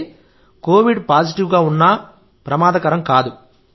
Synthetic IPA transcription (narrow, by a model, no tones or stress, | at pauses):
koːʋiɖpaːd͡ʒiʈiʋɡaːunːɐ | pɾɐmaːd̪ɐkɐɾɐmkaːd̪u